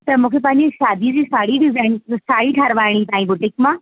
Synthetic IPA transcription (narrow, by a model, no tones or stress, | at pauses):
t̪ɐmũːkʰepɐ̃ɦɪ̃ɲd͡ʑeʃaːd̪ʱid͡ʑiːsaːɽiɖɪzaːɪnsaːɽiʈʰaɾʋaːɪɽ̃it̪aːĩbʊʈɪkmã